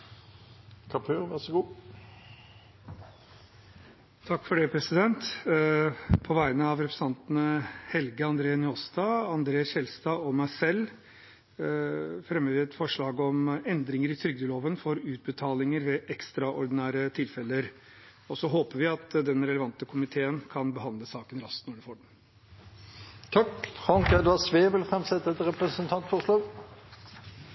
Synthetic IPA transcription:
kʰɑpʰøːʋæʁsəɡuː | t̪ʰɑkːfɔɖɛpʰɾɛsɪd̪ɛnt̪ | pʰɔʋæɪnəɑʋɾɛpɾəsɑnt̪nəhɛlɡəɑnd̪ɾeːənɪɔst̪ɑːɑnd̪ɾeːsçɛlst̪ɑːɔmæɪsɛlː | fɾɛmːəʋɪɛt̪fɔʂɭɑːɡɔmɛnd̪ɾɪŋəɾɪt̪ʰɾʏɡ̚d̪əloːʋənfɔɾʉːt̪̚bət̪ʰɑːlɪŋəɾʋɛʔɛkst̪ɾɑʔɔɾd̪ɪnæːɾət̪ʰɪlfɛlːəɾ | ɔsɔɦoːpəʋɪɑt̪d̪ɛnɾɛləʋɑnt̪əkʰʊmɪt̪ʰeːənkʰɑnbəɦɑnd̪ləsɑːkənɾɑst̪nɔɖɛfoːɖɛn | t̪ʰɑkfɑŋkɛd̪ɑsʋeːʋɪlfʁɛmsɛt̪ːəɛt̪ɾɛpɾəsənt̪ʰɑnt̪fɔʁʂloːɡ

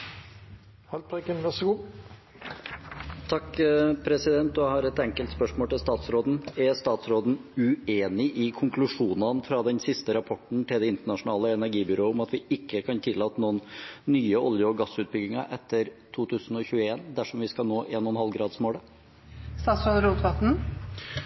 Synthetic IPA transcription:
hɑlpʰekənʋæʁsəɡuː | t̪ʰɑkːpʰɾɛsɪd̪ɛnt̪d̪æhɑɾɛt̪ɛŋkəlt̪spœʂmoːlʈ̪ɪlst̪ɑːt̪sɾoːd̪n̩æst̪ɑːt̪sɾoːd̪n̩ʉeːnɪʔɪkʰʊŋklʉʂuːnɑnfɾɑd̪ɛnsɪst̪əɾɑpʰɔʈɳ̩t̪ɪld̪ɛɪnt̪əɳɑʂʊnɑːləɛnæɾɡiːbʏɾoːʊmɑt̪ʋɪɪkːəkʰɑnt̪ʰɪlːɑːt̪ənuːənːyːəʔɔljəɔɡɑsʉːt̪̚bʏɡːɪŋɑ̰ʔɛt̪ːəɾt̪ʰuːt̪ʰʉːsn̩ɔçʉːəeːnd̪æʂɔmʋɪskɑlnoːʔeːnɔnhɑlɡɾɑːd̪smoːɽə | st̪ɑːt̪sɾoːd̪ɾuːt̪ʋɑt̪n̩

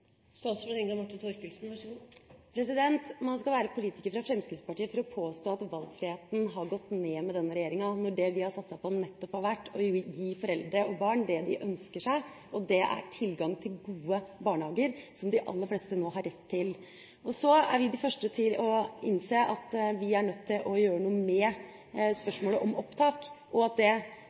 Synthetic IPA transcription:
st̪ɑːsfɔɾt̪ɛŋkɑmɑʈːɪnt̪ʰɔɾkəlsnʋɑʂɡupʰɾɛsɪd̪ɛnt̪mɑnskɑlʋæːɾəpʰʊliːt̪ɪ̥kəɾfɾɑfɾɛmskɾɪt̪spɑʈiːəfɔɾɔpʰoːst̪oːɑt̪ʋɑlɡfɾɪheːt̪n̩ɦɑɾɡɔt̪ːneːmɛd̪ɛnːəɾɛjeːɾɪŋɑnɔɖɛʋɪhɑɾsɑt̪sæɪpʰɔnɛt̪ːɔphɑɾʋæʈːɔjiːfɔɾɛld̪ɾəɔbɑːɳd̪ɛd̪ɪʔœnskəʂæɪʔɔd̪ɛʔæ̰ʈʰɪlɡɑŋt̪ʰɪlɡuːəbɑːɳhɑːɡəɾsɔmd̪ɪʔɑ̰lːəɾfleːst̪ənoːɦɑɾːɛt̪ʰːɪl | ɔsɔæ̰ɾʋɪd̪ɪfœʂʈət̪ʰɪlɔɪnseːʔɑt̪ʋɪæɳœt̪ʰːɪlʔɔjøːɾənuːəmɛ | spœʂmoːləʔɔmɔpt̪ʰɑːkʔɔɑt̪̚d̪ɛ

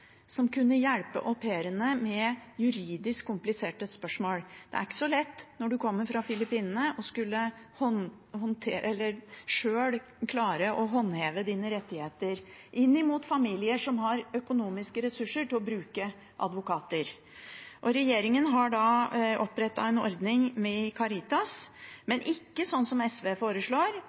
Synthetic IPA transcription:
sɔmkʉnːəjæɽpə̰ʔɔpʰeːɾənəmɛjʉɾiːd̪ɪskʰːʊmplɪseːʈəspœʂmoːld̪̥ɛæ̰ɾɪkːə̥sɔlɛt̪ːnɔɖʉkʰɔmːəɾfɾɑfɪlɪpiːnənəʔɔskʉlːəhɔn | hɔnt̪ʰeːʔɛlːəɾʂøːɽ | kʰlɑːɾəʔɔɦɔnːheːʋəd̪iːnəɾɛt̪ːɪheːt̪əɾ | ʔɪnːɪmuːt̪fɑmiːlɪəʂɔmɦɑɾœkʊnuːmɪskəɾɛsʉʂəʈʰɪlɔbɾʉːkə | ʔɑ̰d̪ʋʊkɑːt̪əɾ | ʔɔɾɛjeːɾɪŋənɦɑɖɑɔpːɾɛt̪ːɑ̰ɛnɔ̰ɾd̪nɪŋmɛkʰɑɾɪt̪ɑsmɛnʔɪkːəsɔnːsɔmɛsʋeːfoːɾəʂɭoːɾ

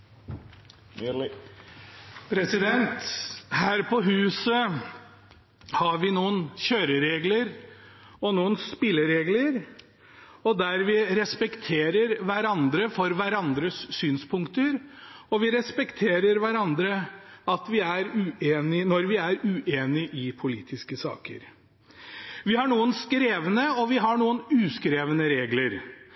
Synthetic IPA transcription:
pʰɾɛsɪd̪ɛnt̪hæːɾpɔɦʉːsə | hɑɾʋɪnuːənçøːɾəɾeːɡləɾ | ɔnuːənspɪlːəɾeːɡləɾ | ɔd̪æɾʋɪɾɛspɛkt̪ʰeːɾəɾʋæɾɑnd̪ɾəfɔɾʋæɾɑnd̪ɾəsːyːnspʰʊŋkt̪əɾɔʋɪɾɛspɛkt̪ʰeːɾəɾʋæɾɑnd̪ɾəɑt̪ʋɪæɾʉːeːnɪnɔɾʋɪæɾʉːʔeːnɪʔɪpʰʊlḭːt̪ʰɪskəsɑ̰ːkə̰ɾ | ʋɪhɑɳuːənskɾeːʋənəɔʋɪɦɑɳuːənʉːskɾeːʋənəɾeːɡləɾ

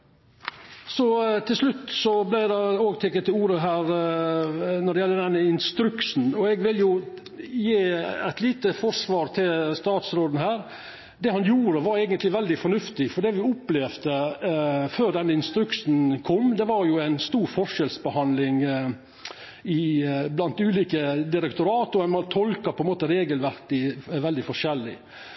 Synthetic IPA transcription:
sɔt̪ʰɪlslʉt̪ːsɔblæɪd̪ɛoːɡt̪ʰɛkət̪ːɪluːɾəɦæːɾ | nɔɖɛjɛlːəd̪ɛnːəɪnst̪ɾʉksn̩ɔɛɡʋɪljʊ | jeːɛt̪liːt̪əfɔʂʋɑːɾt̪ʰɪlst̪ɑːt̪sɾoːd̪n̩hæːɾ | d̪ɛhɑnjuːɾəʋɑɾæɡənt̪lɪʋɛld̪ɪfɔnʉft̪ɪfɔɖ̪ɛʋɪʊplɛfd̪ə | føːɾd̪ɛnːəɪnst̪ɾʉksn̩kʰɔmːd̪ɛʋɑɾjʊæɪnst̪uːɾfɔʂɛlsbəhɑnlɪŋ | ɪblɑnt̪ʉːliːkəd̪ɪɾɛkt̪ʊɾɑːt̪ɔɛnmɑnt̪ʰɔlkɑpʰɔɛnmoːt̪əɾeːɡəlʋæɾkɪʋɛld̪ɪfɔʂɛlːɪ̰

